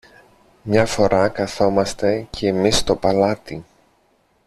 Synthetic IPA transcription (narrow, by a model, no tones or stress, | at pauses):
mɲɐfo̞ɾʔɐkɐθo̞mɐst̪e̞cʰeːmist̪o̞pɐlɐt̪i